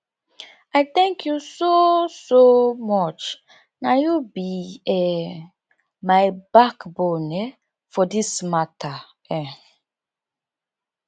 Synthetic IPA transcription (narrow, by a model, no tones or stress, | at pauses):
aɪt̪ɛ̃ŋkʰjusosomɔt͡ʃ | najubiɛ | maɪbakbɔne | fɔdismatʰa | ɛ